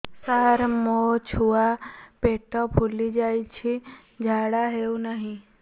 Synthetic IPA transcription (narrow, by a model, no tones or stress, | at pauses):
saɾmot͡ʃʰuapeʈɔpʰulid͡ʒajt͡ʃʰi | d͡ʒʱaɽaɦeunaɦĩ